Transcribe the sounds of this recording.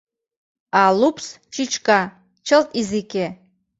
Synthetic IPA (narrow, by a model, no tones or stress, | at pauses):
alupʰs | t͡ʃʰit͡ʃʰkʼa | t͡ʃʰɐltʼizikʲʰe